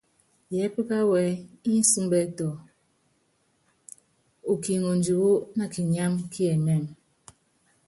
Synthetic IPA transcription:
jɛ˨˦pə˦ka˦wɛ˨˦i˦n̩˦su˦mbɛ˦tɔ˨ | o˨ki˨ŋo˨n˨d͡ʒu˨ɣo˦na˨ki˨ɲa˦mkʰi˦ɛ˨nɛ˦˨m

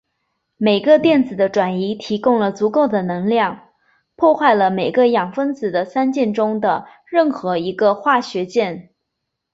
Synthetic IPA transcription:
me˨˩ɪɡə˧t̪jɛ˥˩nt͡sɹ̩˨˩d̪ə˦ʈ͡ʂwa˨˩ni˧˥t̪ʰi˧˥kʊ˥ŋlə˨t͡su˧˥ko˥˩ʊd̪ə˩nɤ˧˥ŋljɑ˥˩ŋ | pʰwɔ˥˧xwa˥˩ɪlə˩me˨˩ɪɡə˦jɑ˨˩ŋfə˥nt͡sɹ̩˨˩d̪ə˦sa˥nt͡ɕjɛ˥˩nʈ͡ʂʊ˥ŋd̪ə˨ | ɻə˥˩nxɤ˧˥i˧˥ɡə˧xwa˥˩ɕɥɛ˧˥t͡ɕjɛ˥˩n

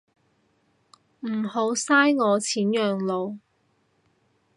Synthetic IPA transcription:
m̩ː˨˩ho˨˥wsaː˥jŋɔː˨˧t͡sʰiː˨˥njœː˨ŋlo˨˧w

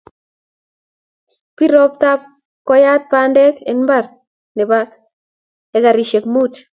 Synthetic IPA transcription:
pi˦ɾɔ˦p̚t̪a˦p̚ | kɔ˦ja˦t̪̚pandɛ˦ke˨nba˦r | nɛ˨ba | eka˨ɾi˨ʃe˨kmu˦t

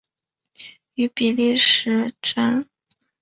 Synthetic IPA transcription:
y˧˥pi˨˩li˥˩ʂɻ̩˧˥ʈ͡ʂə˥n

